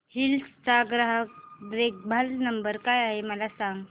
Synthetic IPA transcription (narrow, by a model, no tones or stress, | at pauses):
hilsd͡zaɡɾaɦək̚bɾek̚bʱalnəmbəɾkajaɦeməlasaŋɡ